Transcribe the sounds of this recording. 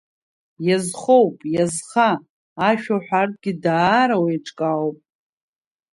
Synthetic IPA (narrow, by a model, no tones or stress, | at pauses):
jazχowpʼjazχaː | ʃᶣaħʷᶣart̚ʼɡʲidaːɾawejʈ͡ʂʼkʼawpʼ